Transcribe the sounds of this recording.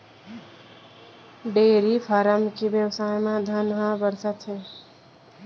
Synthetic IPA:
ɖeːɾipʰaːɾamkebjəwsajmãd̪ʱənɦãbəɾsat̪t͡ʃʰe

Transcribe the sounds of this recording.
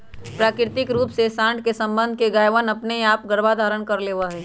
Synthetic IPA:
pɾaːkɪɾt̪ɪkɾuːpsesãːɳd̪ʱkesɐ̃mbə̃nd̪ʱkeɡaːjʋənɐpneaːp̚ɡəɾbad̪ʱaːɾənkɐɾleːʋaɦɛː

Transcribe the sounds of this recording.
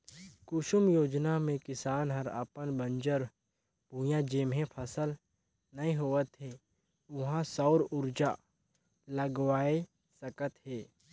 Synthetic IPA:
kʊʃʊmjoːd͡ʒnamẽkɪsaːnɦɐɾə̰pənbə̃nd͡ʒəɾ | b̥ʱũjãd͡ʒeːmɦẽpʰəsəl | nɐɦĩɦoːət̪ɦeː | ʊɦãsɔʊɾʊɾd͡ʒa | ləɡwaːe | səkət̪ɦeː

